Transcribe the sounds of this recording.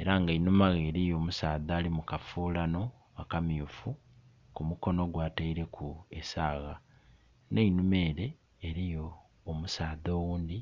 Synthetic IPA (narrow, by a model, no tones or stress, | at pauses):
e̞ɾaŋɡainumaɣeːɾijo̞ːmusaːðaːlimukafuːlano̞ | akamjufu | kumuko̞no̞ɡwaːtaiɾe̞kʰuesaːɣa | neinume̞ːɾe̞ː | ɾijo̞ː | musaːðo̞ːwuːnd̪i